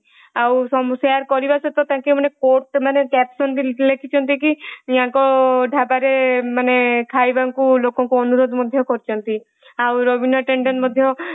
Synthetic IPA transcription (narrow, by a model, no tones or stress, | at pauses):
awsɔmsaɾkɔɾibaset̪ɔt̪ãkimanekoɾʈmanekɛpsɔnt̪ilekʰit͡ʃʰɔnt̪ikij̃ãŋkɔɖʱabaɾemanekʰajbaŋkulokɔŋkuɔnuɾod̪mɔd̪ʱjɔkɔɾit͡ʃʰɔnt̪i | awɾobinɔʈeɳɖɔnmɔd̪ʱjɔ